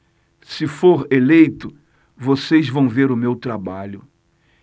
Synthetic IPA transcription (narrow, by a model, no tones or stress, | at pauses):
sɪfoɾelejt̪ʊ | vosejzvɐ̃w̃veɾʊmewt̪ɾabaʎʊ